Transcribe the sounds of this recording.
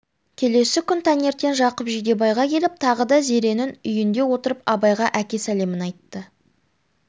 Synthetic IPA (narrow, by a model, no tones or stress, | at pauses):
kʲʰe̞le̞sɪkʲʰʏnt̪ʰɑnje̞ɾt̪e̞nʒɑqəpʒijd̪e̞bɑjʁɑkʲʰe̞lɪp̚t̪ʰɑʁəd̪ɑze̞ɾe̞nɪnʏjɪnd̪e̞wo̞t̪əɾəpɑbɑjʁɑʔækʲe̞sæle̞mɪnɑjt̪ːə